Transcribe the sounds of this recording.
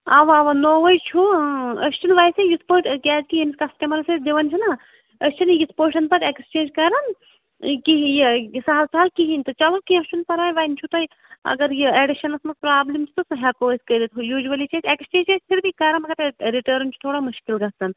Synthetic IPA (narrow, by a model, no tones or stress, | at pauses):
aʋaːʋɐnoːʋɐjt͡ʃʰuɐst͡ʃʰinʋaːjsejispoːʈkʲɛːzkijɐmiskɐsʈɐmɐlɐsed̪iʋɐnt͡ʃʰina | ɐst͡ʃʰinjispoːʃɐnpɐɾekst͡ʃẽːnd͡ʒkɐːɾɐn | kisaːɐlsaːlkiɦinʲt̪ɨt͡ʃɐʋɐkiɐt͡ʃʰunpɐɾaːjʋaːjnt͡ʃʰut̪ɐj | ɐ̰ɡɐɾjieːɖiʃɐnɐsmɐspɾaːblimt͡ʃʰu̥t̪usɐɦɛkoːsʲkəɾit̪ʰjuːʒʋɐlit͡ʃʰezekst͡ʃeːnd͡ʒespʰiɾbʱikɐɾɐnmɐɡɐɾɾiʈəːɾnt͡ʃʰu̥t̪ʰoːɽamuʃkilɡɐst̪ɐn